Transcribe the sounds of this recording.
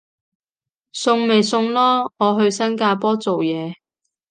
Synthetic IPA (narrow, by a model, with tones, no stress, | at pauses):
sʊ˧ŋme˨jsʊ˧ŋlɔː˥ŋɔː˨˧ɦɵ˧ɥsɐ˥nkaː˧pɔː˥t͡so˨wjɛː˨˧